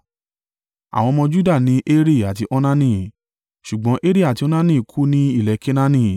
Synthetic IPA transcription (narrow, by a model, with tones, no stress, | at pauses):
a̰˨w̃ɔ̃˧mɔ̃˧d͡ʒu˦da˦˨nĩ˧˦ʔe˦ɾi˦˨a˨t̬i˧ʔɔ˦nã˦nĩ˦ | ʃu˨ɡ͡bɔ̃˨˧˦ʔe˦ɾi˦˨a˨ti˧ɔ˦nã˦nĩ˦˨kʰu˦nĩ˦i˦˨lɛ˨˦ke˦nã˦nĩ˦˨